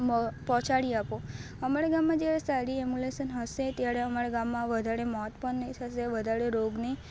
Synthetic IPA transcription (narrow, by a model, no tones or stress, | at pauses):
pɔ̃t͡ʃaɽiapo | əmaɽaɡamːãd͡ʒjaɾesaɾiɛmuleʃənɦəʃet̪jaɾeəmaɾaɡamːãʋəd̪ʱaɾemɔt̪pəɳnəit̪ʰəʃeʋəd̪ʱaɾeɾoɡne